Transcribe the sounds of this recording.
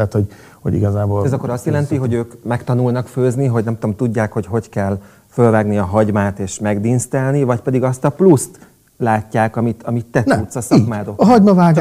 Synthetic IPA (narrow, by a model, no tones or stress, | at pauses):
t̪ho | ho̰ḭɡɒzaːboːlɛzɒkːoɾɒst̪jɛlɛnt̪iɦo̞ɟøːkmɛkt̪ɒnulnɒkføːzniɦo̞ɟnɛmt̪omt̪uɟːaːkho̞cɦo̞ckɛl | følvaːɡniɒɦɒɟmaːt̪eːʃmɛɡd̪inst̪ɛlnivɒcpɛd̪iɡɒst̪ɒplust̪ | laːcːaːkɒmit̪ɒmit̪ːɛut̪sɒsɒkmaːd̪okɦɒɟmɒvaːɡ